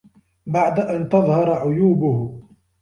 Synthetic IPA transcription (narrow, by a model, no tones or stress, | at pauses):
baʕd̪aʔant̪ɑðˤhɑɾˤʕʊjuːbʊh